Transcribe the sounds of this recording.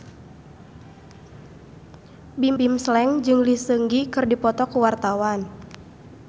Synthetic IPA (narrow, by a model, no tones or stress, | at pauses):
bimbimslɛŋd͡ʒɨŋlisəŋɡikɨrdipɔt̪ɔkuwart̪awan